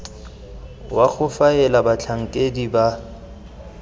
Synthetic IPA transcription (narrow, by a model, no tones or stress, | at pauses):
waɣʊfaɛlabat͡ɬʰaŋ̩kʼediba